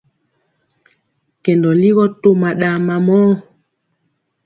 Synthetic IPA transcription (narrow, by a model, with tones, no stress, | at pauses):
kɛ˨ndɔ˨li˦ɣɔ˦to˦ma˨ɗa˨ma˨mɔː˦